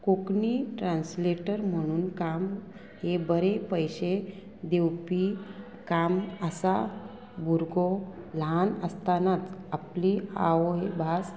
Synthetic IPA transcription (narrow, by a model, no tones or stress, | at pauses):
kokniʈɾãnsleʈəɾm̤əɽ̃uːnkam | hebəɾepəjɕe | d̪ewpi | kaməsa | buɾɡolanəst̪anat͡saplia̰oebʱas